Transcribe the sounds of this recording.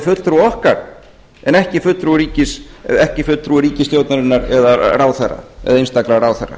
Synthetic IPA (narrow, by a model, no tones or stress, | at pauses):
fʏt̪lt̪ɾuɔhkaɾ̥ | ɛnɛhcɪfʏt̪t̪ɾuɾiːcɪs | ɛhcɪfʏt̪t̪ɾuɾiːcɪst̪joːwt̪naɾɪnːaɾɛðaraːwθarːa̰ɛ̰ðaejnst̪aklaraːwθarːa̰